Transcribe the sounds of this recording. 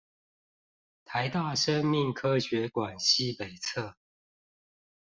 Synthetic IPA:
t̪ʰa˨˦ɪt̪a˥˨ʂə˦ŋmi˥˨ŋkʰɤ˦ɕɥɛ˨˦kwa˨˩nɕi˦pe˨˩ɪt͡sʰɤ˥˨

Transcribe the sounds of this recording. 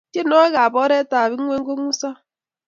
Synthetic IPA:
te˦no˦ɣa˨bɔ˦ɾe˦ta˨βi˦ŋ̩˦ŋʷe˦ŋ̩˦ɡo˦ŋu˦sa˦

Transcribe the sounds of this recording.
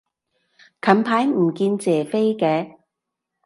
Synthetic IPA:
kʰɐ˨˥npʰaː˨˥jm̩˨˩kiː˧nt͡sɛː˨˩fe˥jkɛː˧

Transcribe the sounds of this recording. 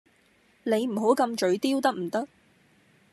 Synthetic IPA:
ne˨˧jm̩˨˩ɦo˨˥wkɐ˧mt͡ʃɵ˨˧ɥt̪iː˥wt̪ɐ˥k̚m̩˨˩t̪ɐ˥k̚

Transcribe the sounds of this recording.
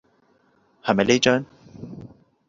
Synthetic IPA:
hɐ˨˩mɐ˨jle˥jt͡ʃœː˥n

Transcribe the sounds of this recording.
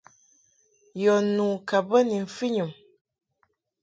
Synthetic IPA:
jɔ˨nũː˨ka˨bə˦ni˨ɱ̩˨fi˦ɲu˨m

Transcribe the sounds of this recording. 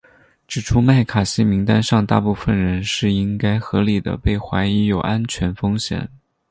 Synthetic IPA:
ʈ͡ʂɻ̩˨˩ʈ͡ʂʰu˥ma˥˩ɪkʰa˨˩ɕi˥mi˧˥ŋt̪a˥nʂɑ˥˧ŋt̪a̰˥˧pu˥˩fə˩nɻə˧˥nʂɻ̩˥˩i˥ŋka˥ɪxɤ˧˥li˨˩d̪ə̰˦pe˥˩ɪxwa˧˥ɪi˧˥jo˨˩ʊʔa˥nt͡ɕʰɥɛ˧˥nfɤ˥ŋɕjɛ̰˨˩˦n

